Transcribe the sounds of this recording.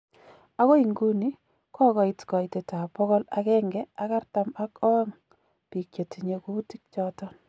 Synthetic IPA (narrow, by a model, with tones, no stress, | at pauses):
a˦kɔ˦i˨ŋɡu˦ni˦ | kʰɔ˦kɔ˨itkɔ˨i˨te˨ta˨pɔ˦kɔ˦la̰kɛ˦ŋɡɛ˦a˦ka˦rta˦ma˦kɔ˦ŋ | pi˨kje˨ti˨ɲe˨ku˦ti˦k̚t͡ʃɔtɔ˦